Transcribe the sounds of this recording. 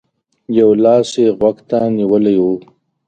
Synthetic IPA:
jawlɑːseɣwaɡt̪aniwəlajwu

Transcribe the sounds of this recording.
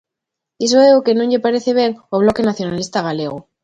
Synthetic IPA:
isoeɣoke̞nũɲʎepaɾeθeβ̞eŋoβ̞lo̞kenaθjonalist̪aɣ̞aleɣ̞o

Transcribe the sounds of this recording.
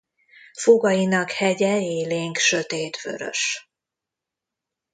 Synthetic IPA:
foɡɒjinɒkhɛɟɛeːleːŋkʃøt̪eːt̪vø̰ɾø̰ʃ

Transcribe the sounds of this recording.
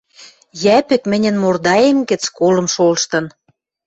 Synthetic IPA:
jæpɘ̆kmɘ̆nʲɘ̆nmord̪ɑjemɡɘ̆t͡skolɤ̆mʃolʃt̪ɤ̆n

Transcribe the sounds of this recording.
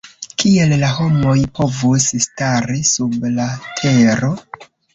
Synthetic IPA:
kʰie̞llaho̞mo̞jpo̞vusstaɾisublatʰe̞ɾo̞

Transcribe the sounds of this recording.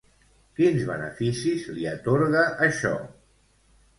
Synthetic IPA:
kinzβənəfisizliət̪oɾɣəʔːʃɔ̰

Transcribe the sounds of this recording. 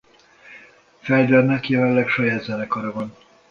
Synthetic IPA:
fɛld̪ɛnnɛkjɛlɛnlɛkʃɒjaːd̪zɛnɛkɒɾɒvɒn

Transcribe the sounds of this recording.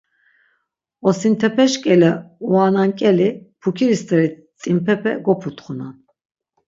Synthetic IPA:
ɔsint̪ʰɛpʰɛʃkʼɛlɛuanaŋkʼɛlipʰukʰiɾist̪ʼɛɾi | t͡s̪ʼimpʰɛpʰɛ̰ɡɔpʰut̪ʼχunan

